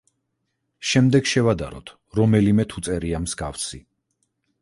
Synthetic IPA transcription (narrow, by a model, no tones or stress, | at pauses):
ʃɛmd̪ɛɡʃɛvad̪a̰ɾɔ̰t̪ʰ | ɾɔmɛlimɛt̪ʰut̪sʼɛɾiamz̥ɡafsi